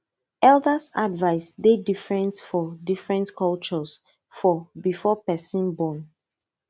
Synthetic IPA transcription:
ɛldəsadvaɪsdedifɹɛ̃ntfɔdifɹɛ̃ntkʰɔlt͡ʃɔs | fɔbifɔpɛsĩnbɔ̃n

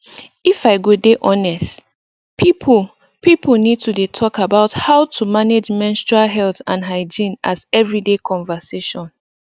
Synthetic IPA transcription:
ifaɪɡodeʔɔnɛst | pʰipʰl | pipəl̩ˠnid̚tʰudetʰɔkabaʊthaʊtʰumaned͡ʒmɛ̃nstɹalɦɛlθã̰nɦaɪd͡ʒĩnazɛvɹidekʰɔ̃ɱvəseʃɔ̃n

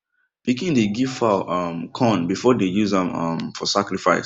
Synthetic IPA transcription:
b̥ikĩndeɡiv̥falʌmkʰɔ̃nbifɔdejuzãmʌmfɔsakɹifaɪs

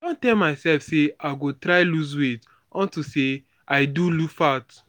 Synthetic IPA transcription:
dɔ̃ntɛlmaɪsɛlfseaɪɡotɾaɪluz̬wet | ɔ̃ntuse | aɪdulufat

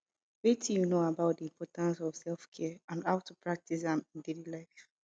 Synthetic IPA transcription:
wetʰijunoabaʊt̚diĩmpʰɔtãnsɔv̥sɛlfkʰɛəãndaʊtʰupʰɹak̚tʰis̬ãmĩndelilaɪf

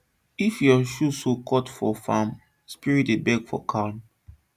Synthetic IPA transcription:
ifjɔʃusokʰɔtfɔfã̰m | spiɹitebɛɡfɔ̰kʰaʊn

